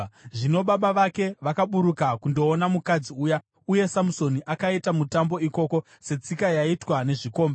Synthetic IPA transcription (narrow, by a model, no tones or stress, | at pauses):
ʐino̞ɓaɓaʋake̞ʋakaɓuɾukakundo̞ːnamukad͡ziuːja | uje̞samuso̞niʔakaitamutambo̞iko̞ko̞ | se̞t͡sikajaitwane̞ʐiko̞ːmba